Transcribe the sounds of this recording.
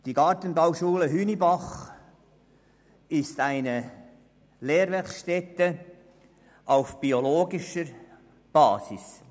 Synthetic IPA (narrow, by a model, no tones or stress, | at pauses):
d̥iɡɑːɾtənbawʃuːləɦyːnibɑχ | ɪstæɪnə | leːɾʋɛχʃtɛt̪ə | ʔaʊfb̥ioloːɡɪʃəɾ | b̥ɑːsɪs